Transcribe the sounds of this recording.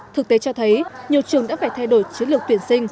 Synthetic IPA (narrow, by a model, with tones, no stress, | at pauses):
t̪ʰɨ˨˩k̚t̪e˨˦t͡ɕɔ˧t̪ʰə˨˦jɲi˨˩ət͡ɕɨ˨˩əŋɗa̰ː˧˥faː˧˩jt̪ʰa˧jɗo˧˩jt͡ɕi˨˦nlɨ˨˩k̚t̪wi˧˩ənsï˧ŋ̟